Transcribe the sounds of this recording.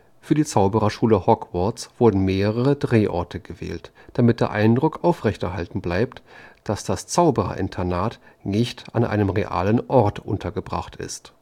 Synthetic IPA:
fyːɐdiːt͡saʊbəʁɐʃuːləhɔkvɔɐt͡sv̥ʊɐdn̩meːʁəʁ̞əʁədʁeːʔɔ̰ɐtʰəɡəvɛ̰ːlt | d̥amɪt̚d̥eːɐʔaɪndʁʊkʔaʊfʁ̥ɛçtɛɐɦaltn̩blaɪp̚td̥asd̥ast͡saʊbəʁɐ̰ʔɪ̰ntʰɐnaːt | nɪçta̰nʔa̰ɪnəmʁeʔa̰ːlənʔɔɐtʔʊntʰɐɡəbʁa̰χtɪ̰st

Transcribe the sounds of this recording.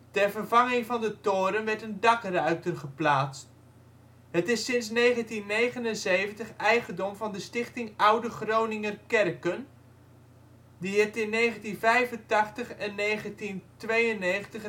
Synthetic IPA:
tɛrvərvɑŋɪŋvɑndətoːɾənʋɛɹtəndɑkrœɥtərχəplaːst | hətɪsɪns̬nejχəntinːejχənənsejvəntəχɛjχəndɔmvɑndəstɪχtɪŋʔʌwdəχrownɪŋərkɛrkən | diɦɪftɪnːeːχəntinvɛjvəntɑχtəχɛnːejχəntintʋejənːeːχəntəχ

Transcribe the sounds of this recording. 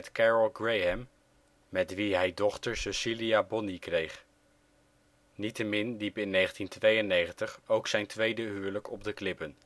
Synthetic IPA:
tkɛɹəlˠɡɹejɦɛmː | ɛtʋiɦɛjdɔχtəɹsəsiliabɔnikrejχ | nitəmɪnlipɪnːejχəntintʋejənejχəntəχowksɛjntʋejdəɦyːɹləkɔb̚dəklɪpən

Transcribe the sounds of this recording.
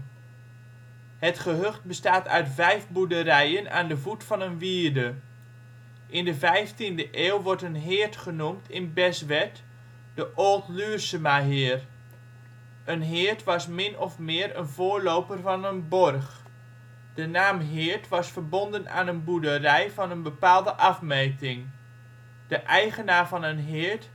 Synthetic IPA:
hətχəɦøχt̚bəstaːtœ̰ɥtvɛjfbudəɾɛjəna̰ːndəvutfɑnənʋiːəɹdə | ʔɪndəvɛjftindəʔeːwˠʋɔɹtənɦɪːəɹtχənumtʰɪnbɛsʋɛt | d̥əʔoːlˠtlyːsəmaɦɪər | ənɦɪːəɹtʋɑsmɪnɔfmɪːrə̰nvoːɹlowpərvɑnənbɔrχ | d̥ənaːmɦɪːɹtʋɑsfərbɔndəna̰ːnənbudərɛjvɑnənbəpaːlˠdəʔɑfmejtɪŋ | d̥əʔɛjχənaːrvɑnənɦɪːəɹt

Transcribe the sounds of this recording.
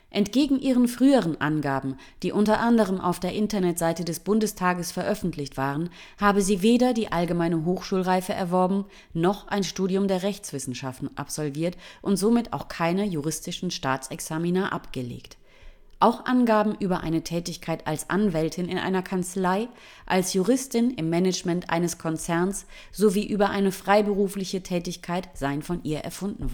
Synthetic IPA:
ʔɛntɡ̥eːɡŋ̩ʔiːʁənfʁ̥yːəʁənʔa̰nɡaːbm̩ | d̥iːʔʊntɐʔandəʁ̞əmʔa̰ʊfd̥eːɐʔɪntɐnɛtz̥aɪtədɛsb̥ʊndəstʰaːɡəsfɛɐʔœfn̩tʰlɪçtv̥aːʁən | haːbəziːveːdɐdiːʔalɡəmaɪnəɦoːxʃuːlʁaɪfəʔɛ̰ɐvɔɐbm̩ | nɔχʔaɪnʃtuːdiʊmdeːɐʁɛçt͡sv̥ɪsn̩ʃaftn̩ʔa̰pz̥ɔlviːɐtʔʊntz̥oːmɪta̰ʊxkʰaɪnɐjuʁ̞ɪstɪʃn̩ʃtaːt͡sɛksaːminaːʔapɡ̥əlḛːkt | ʔaʊxʔanɡaːbm̩ʔyːbɐʔa̰ɪnətʰɛːtɪçkʰaɪtalsʔa̰nvɛltʰɪnɪ̰nʔa̰ɪnɐkʰant͡slaɪ | ʔalsjuʁ̞ɪstɪnɪmːɛnɛt͡ʃmɛntʔa̰ɪnəskʰɔnt͡sɛɐns | z̥oviːʔyːbɐʔaɪnəfʁ̥aɪbəʁuːflɪçətʰɛːtɪçkʰaɪtz̥aɪənfɔnʔḭːɐʔɛ̰ɐfʊndn̩v

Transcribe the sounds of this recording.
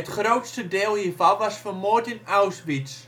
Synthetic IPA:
ətχrowtstədeːlˠiːrvɔnʋɑsfəmoətɪnawsbis

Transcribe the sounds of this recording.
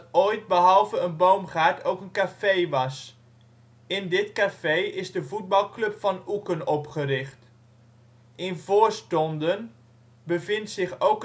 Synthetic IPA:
oːjt̚bəɦɑlˠvəənbowmχaːɹtʰowkənkafejʋɑs | ɪndɪtkafejɪzdəvud̚bɑlˠklɵpfɑnukənɔpχəɾɪχt | ɪnvoːɹstɔndən | bəvɪntsɪχowk

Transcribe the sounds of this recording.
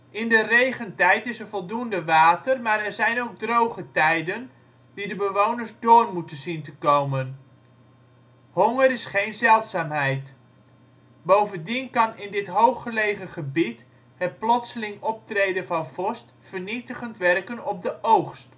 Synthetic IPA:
ʔɪndərejχəntɛjtɪsənvɔlˠdundəʋaːtərmaːɾɛɹzɛjnowɡ̚drowχətɛjdən | didəbəʋownəɹzdʊːrmutənzintəkowmən | hɔŋəɾɪsχejnzɛlˠtsaːmɦɛjt | bowvəndinkɑnɪndɪtɦowχːəlejχəχəbit | hət̚plɔtsəlɪŋɔp̚trejdəvɑnv̥ɔst | fərnitəχəntʋɛrkənɔb̚dəʔowχst

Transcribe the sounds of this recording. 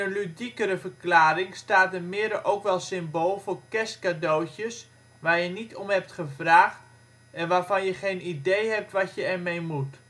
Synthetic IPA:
ənlydikəɾəvərklaːɾɪŋstaːt̚dəmɪədəʔowkʋɛlˠsɪmboːlˠvoːɹkɛskadoːtjəs | ʋaːɹjənitʰomɦɛp̚tχəvraːχt | ɛnʋaːrvɑnjəχejnidejɦɛp̚tʋatjəɛɹmejmut

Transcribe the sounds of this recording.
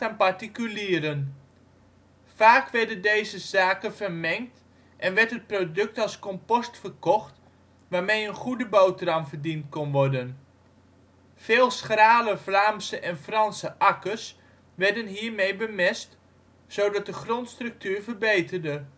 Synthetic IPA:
aːnpaɹtikyliːəɾən | faːkʋɛɹdəndejzəzaːkənvərmɛŋkt | ʔɛnʋɛɹtət̚prodɵk̚tɑlˠskɔmpɔstfərkɔxt | ʋaːɹmejənχudəbowtramvərdintkɔnʋɔɹdən | feːlˠsχraːləflaːmsəʔɛnfrɑnsəʔɑkəs | ʋɛɹdənɦiːɹmejbəmɪst | sowdɑt̚dəχrontstrɵk̚tyːɹvərbejtərdə

